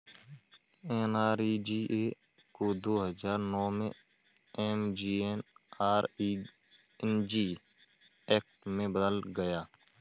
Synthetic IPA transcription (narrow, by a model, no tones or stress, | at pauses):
eːnaːɾiːd͡ʒiːʔeː | kod̪oːɦəd͡ʒaːɾnɔːmḛ̃ | eːmd͡ʒiːenaːɾi | ɛnd͡ʒiː | eːk̚ʈmẽbəd̪əlɡəjaː